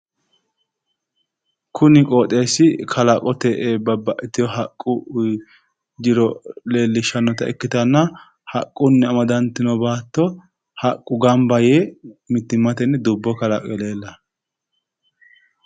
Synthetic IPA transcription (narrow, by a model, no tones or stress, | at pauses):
kʰʊnɪkʼoːt̪ʼe̞ːsːɪkʰɐlɐkʼɔt̪ɛʔeːbɐbːɐʔɛt̪ːɪjɔɦɐkʼːʊ | d͡ʒɪɾɔle̞ːlːɪʃɐnːɔt̪ɐɛ̰kːɪt̪ɐnːɐ | hɐkʼːʊnːɛɐmɐd̪ɐnt̪ːɪnɔbaːt̪ːɔ | hɐkʼːʊɡɐmbɐjeːmɪt̪ːɪmːɐt̪ɛnːɛd̪ʊbːɔkɐlɐ̰kʼɛleːlːɐ